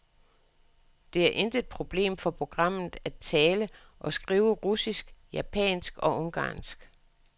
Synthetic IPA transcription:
d̥e̝æɐʔe̝nd̥əe̝d̥̚pʰʁo̝b̥le̝̰ːmfɒ̽pʰʁo̝ɡ̥ʁɑ̈m̰ð̩ˠæt͡sʰɛːlə | ʔɒ̽sɡ̥ʁiːʊəʁusisɡ̥jæpʰɛ̰ːnsɡ̥ɒ̽ʔɔ̽ŋɡ̥ɑ̰̈ːnsɡ̥

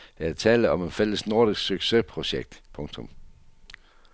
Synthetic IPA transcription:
d̥eæt͡sʰɛːləɒ̽me̝nfel̰əsno̝ɐɾisɡ̥syɡ̥se̝pʰʁo̝ɕeɡ̥̚d̥pʰɔ̽ŋt͡sʰɔ̽m

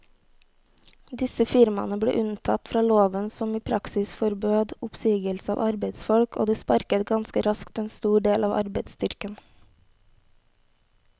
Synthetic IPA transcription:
d̪ɪsəfɪɾmɑ̰nəbɽḛːʔʉnt̪ʰɑt̪fɾɑːloːʋənsɔmiːpʰɾɑksɪsfɔɾbøːd̪ʊpsiːɡəlsəɑ̰ːʋʔɑɾbeɪd̪sfɔɽkʰo̰ːd̪iːspɑɾkət̪ɡɑnskəɾɑskt̪eːnst̪uːɖeːlʔɑːʋʔɑ̰ɾbeɪd̪st̪ʏɾkən

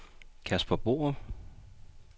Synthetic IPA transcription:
kʰæspʰɒ̽b̥o̝̰ːɐð

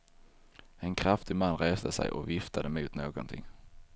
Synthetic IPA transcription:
ɛnkʰɾaft̪ɪmanːɾeːsd̪əsɛ̰jʔɔ̰vɪft̪ʰad̪əmuːt̪noːɡɔnt̪ʰɪ̰ŋː

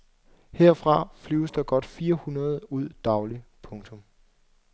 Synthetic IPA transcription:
heɐ̰fʁɑ̈flyʊsd̥ɑ̈ɡ̥ɒ̽d̥fiːɐhunɐð̞ˠuð̞̰ˠd̥ɑ̈ʊlipʰɔ̽ŋt͡sʰɔ̽m

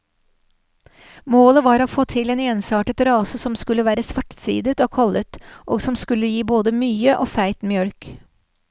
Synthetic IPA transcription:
moːləʋɑːɾoːfoːt̪ʰɪleːneːnsɑːʈət̪ɾɑːsəsɔmskʉlːəʋæːɾəsʋæʈsʋḭːd̪ət̪oːkʰɑlət̪ʔo̰ːɡsɔmskʉləjiːboːd̪əmyːəʔoːfæɪt̪mjœɽk

